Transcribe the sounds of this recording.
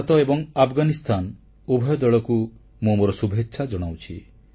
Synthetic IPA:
t̪ɔebɔŋapʰɡanist̪ʰan | ubʱɔjɔd̪ɔɭɔku | momoɾɔsubʱetːʃʰad͡ʒɔɽ̃awt͡ʃʰi

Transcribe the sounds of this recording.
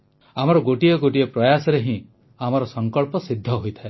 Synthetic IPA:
amɔɾɔɡoʈijɔɡoʈijɔpɾɔjasɔɾeɦĩ | amɔɾɔsɔŋkɔɭpɔsid̪ʱːɔɦojt̪ʰae

